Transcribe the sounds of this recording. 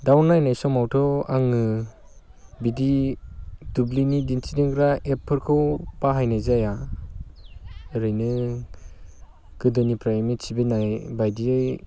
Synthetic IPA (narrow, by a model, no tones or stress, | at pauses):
dawnːajnajsɔmawtʰɔaŋɯ | bidi | dublinidinsʰidiŋɡɾaepʰːɯɾkʰɯwbaɦajnajzaja | ɾɯjnɯ | ɡ̥ɯdɯnipʰɾajmit͡ʃibenajbajdiɯj